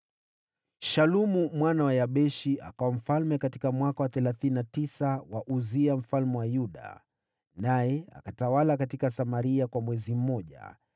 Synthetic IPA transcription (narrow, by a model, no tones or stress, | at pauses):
ʃalumumwanawajaɓɛʃiʔakawam̩falmɛkati̥kamwakawaθɛlaθininatisawaʔuziam̩falmɛwajuɗa̰ | najɛa̰katawalakatikasamaɾiakwamwɛzim̩mɔʄa̰